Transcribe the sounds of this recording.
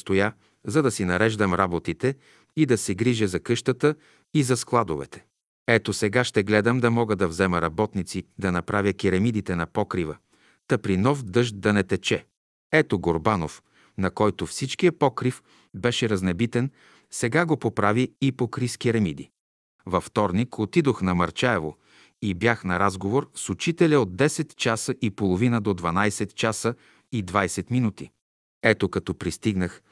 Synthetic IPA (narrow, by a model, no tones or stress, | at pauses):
st̪oja | zɐd̪ɐsinɐɾɛʒd̪əmɾabot̪it̪ɛ | id̪ɐsɛɡɾiʒɛzɐkɤʃt̪ət̪ə | izɐsklˠad̪ovɛ̰t̪ɛ̥ | ɛt̪osɛɡaʃt̪ɛɡlɛd̪əmd̪ɐmɔɡəd̪ɐvzɛməɾɐbɔt̪nit̪sid̪ɐnɐpɾavʲjəkʲiɾɐmid̪it̪ɛnɐpɔkɾivə | t̪ɐpɾinɔfd̪ɤʒt̪̚d̪ɐnɛt̪ɛt͡ʃɛ | ɛt̪oɡoɾbanof | nɐkɔjt̪ofsit͡ʃk̟ijəpɔkɾif | bɛʃɛɾɐznɛbit̪ɛn | sɛɡaɡopopɾaviipokɾiskiɾɛmid̪ḭ | vɐft̪ɔɾnikʰot̪id̪oxnɐmɐɾt͡ʃaɛvo | ibjaxnɐɾazɡovoɾsut͡ʃit̪ɛlʲɐod̪̚d̪ːɛsɛt̪t͡ʃasəʔipolˠovinəd̪od̪vɐnajsɛt̪t͡ʃasə | id̪vajsɛt̪minut̪ḭ | ɛt̪okɐt̪ɔpɾist̪iɡnəx